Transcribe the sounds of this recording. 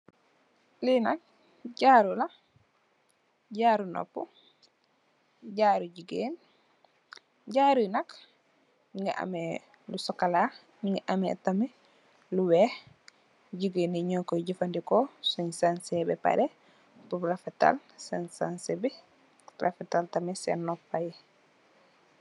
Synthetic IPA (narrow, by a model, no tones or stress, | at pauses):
linak̚ | ɟaːɾula | ɟaːɾuno̰pːu | ɟaɾuɟuɡeːn | ɟaːɾunak | iŋɡaʔa̰me | lusɔkala | ɲiŋɡaʔamḛtame | luweːh | ɟuɡeːniɲoːkoɟifandikosoɲsansebḛpa̰ɾe | puɾafeta̰lsensansebi | ɾʔa̰fetaltamesḛnːoppaje